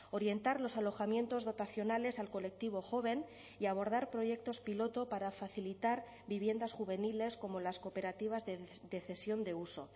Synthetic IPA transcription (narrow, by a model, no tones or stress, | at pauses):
o̞ɾje̞nt̪aɾlo̞salo̞xamjẽ̞nt̪o̞zðo̞t̪aθjo̞nale̞salko̞le̞k̚t̪iβ̞o̞xo̞β̞e̞n | iaβ̞o̞ɾðaɾpɾo̞je̞k̚t̪o̞spilo̞t̪o̞paɾafaθilit̪aɾ | βiβje̞nd̪asxuβ̞e̞nile̞sko̞mo̞laskope̞ɾat̪iβ̞azðed̪eθe̞sjo̞nd̪e̞uso̞̰